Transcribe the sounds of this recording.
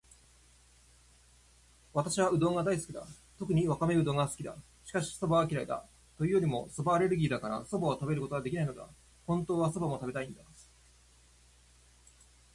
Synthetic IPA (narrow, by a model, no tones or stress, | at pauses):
βat̪aɕiβaɯ̟d̪o̞ːŋɡad̪aisɨ̥kʲid̪a̰ | t̪o̞kɯ̟ɲ̟iβakame̞ɯ̟d̪o̞ːŋɡasɨ̥kʲid̪a̰ | ɕi̥kaɕi̥so̞baːkʲiɾaid̪a̰ | t̪o̞jɯ̟ːjo̞ɾʲimo̞so̞baːɾe̞ɾɯ̟ɡʲiːd̪akaɾa̰so̞baːt̪abe̞ɾɯko̞t̪o̞βad̪e̞kʲinainod̪a̰ | hõ̞nt̪o̞ːβaso̞bamo̞t̪abe̞t̪aĩnd̪a